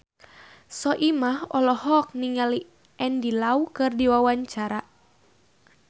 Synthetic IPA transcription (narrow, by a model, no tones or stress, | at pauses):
sɔʔimahɔlɔhɔk̚niŋali | ɛndilaukɨrdiwawaɲt͡ʃaɾa